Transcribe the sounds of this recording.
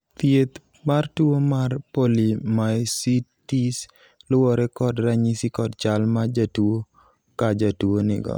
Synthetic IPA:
t̪jet̪ | martuomarpolimajsitis | lʊwɔɾɛkɔdɾaɲisikɔdt͡ʃalmad͡ʒatuo | kad͡ʒatuonɪ̰ɡɔ̰

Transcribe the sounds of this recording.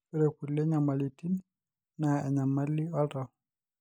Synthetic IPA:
ɛɾɛkulːɛɲamalitin | naɛɲamalːiɔtɔ

